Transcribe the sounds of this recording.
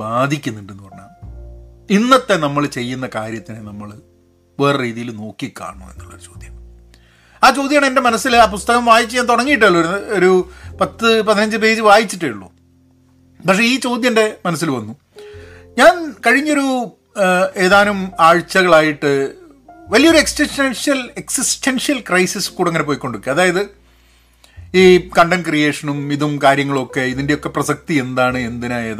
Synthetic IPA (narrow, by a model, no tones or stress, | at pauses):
baːd̪ʱikʲːunːuɳɖenːɨpɐrɐɲa̰ːm | inːɐt̪ːe̞nɐmːɐɭt͡ɕe̞jːunːɐkaːɾjɐt̪ːinenɐmːɐɭ | ʋeːrriːðijilno̞ːkːikʲːa̰ːɳṵe̞̰nːuɭːɐɾut͡ɕo̞ːd̪ʱjɐm | aːt͡ɕo̞ːd̪jɐaːɳende̞mɐnɐsːilaːpust̪ɐɣɐmʋaːjit͡ɕːɨɲaːnt̪oɽɐŋːijiʈ̬ːeɭːooɾupɐt̪ːɨpɐðinɐɲd͡ʑɨp̬e̞ːd͡ʑɨʋaːjit͡ɕːiʈːeuɭːṵː | pɐkʂe̞iːt͡ɕo̞ːd̪ʱjɐnde̞mɐnɐsːilʋɐnːu | ɲaːnkɐɻiɲːo̞ɾu | e̞ːðaːnumaːɻt͡ɕːɐɣɐɭaːjiʈːɨ | ʋɐlijɐoɾue̞ksʈisʈenʂijɐle̞ksisʈenʂijɐlkrɐjsiskuːɽeŋːɐnepoːjiko̞ɳɖukːiɐðaːjɐðɨ | iːkɐɳɖɐnkrije̞ːʂɐnumiðumkaːɾjɐŋːɐɭo̞kːe̞iðinde̞jo̞kːe̞prɐsɐk̚t̪ie̞nd̪aːɳɨe̞nd̪inaeːða